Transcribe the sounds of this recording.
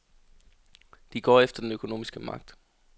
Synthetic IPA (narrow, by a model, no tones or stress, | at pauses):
d̥iɡ̥ɒ̰ːefd̥ɐd̥enøkʰo̝no̝̰ːmisɡ̥əmɑ̈ɡ̥̚d̥